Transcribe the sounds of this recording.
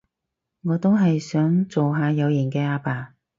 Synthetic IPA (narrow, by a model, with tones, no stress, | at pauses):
ŋɔː˨˧t̪o˥wɦɐ˨jsœː˨˥ŋt͡so˨wɦaː˨˧jɐ˨˧wjɐː˨˩nkɛː˧aː˧paː˨˧